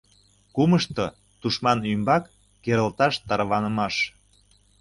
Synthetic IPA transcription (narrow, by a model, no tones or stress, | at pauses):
kuməʃt̪o | t̪uʃmɑnymbɑkː | eɾə̆lt̪ɑʃt̪ɑɾβɑnəmɑʃ